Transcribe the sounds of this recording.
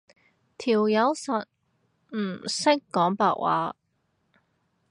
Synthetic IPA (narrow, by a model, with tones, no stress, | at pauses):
t̪ʰiː˨˩wjɐ˨˧˥wsɐ˨t̚ | m̩ː˨˩sɪ˥kːɔː˨˥ŋpa̰ː˧˨ʔ̚wʔa̰ː˨˥